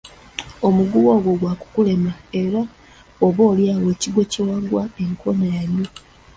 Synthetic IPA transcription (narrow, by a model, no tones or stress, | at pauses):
o̞muɡuwo̞ːɡo̞ɡwaku̥kule̞mae̞ɾa | oβo̞ːljaːwe̞ːciɡwe̞cewaɡwae̞ŋko̞najaɲo